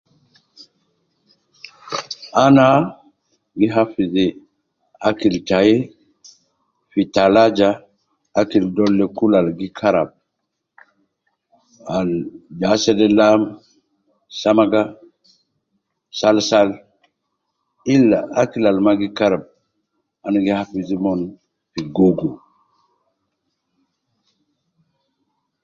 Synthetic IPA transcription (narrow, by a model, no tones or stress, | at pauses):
ana | ɡiɦafize | akiltaje | fitalad͡ʒaː | kildolːekulalɡikʰaɾab̚ | ald͡ʒasɛdɛlam | samaɡa | salsal | ilːaakilalmaɡikaɾab̚ | anaɡihapizimɔn | fiɡoɡo